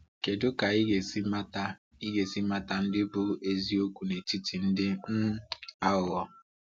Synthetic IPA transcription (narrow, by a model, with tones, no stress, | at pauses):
ke˨dʊ˦ka˨i˦ɡe˨sma˦ta˦ | i˦ɡe˨si˦ma˦ta˦n̩˦dɪ˦bʊ˦ʔe˦zi˦o˦kʷu˨ne˨ti˦ti˨n̩˦dɪ˦n̩˦a˦ʊ˨ɣɔ˦